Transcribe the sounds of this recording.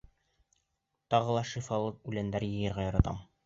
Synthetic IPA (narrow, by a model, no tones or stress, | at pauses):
t̪ɑʁɤ̆lˠɑʃifɑlˠɤqʉlænd̪æɾjɘ̆jɤ̆ɾʁɑjɑɾɑt̪ɑ̰m